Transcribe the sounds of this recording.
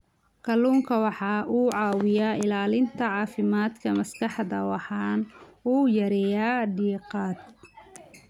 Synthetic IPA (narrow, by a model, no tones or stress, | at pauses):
kʰɐluːŋkʰɐwɑħɑːʔuːʕɑːwɪjaːɪlaːlɪnt̪ʰɐʕɑːfɪmaːd̪kʰɐmɐskʰɑħd̪ɐwɑħɑːnuːjɐɾɛjaːɖiːqɑːd̪̚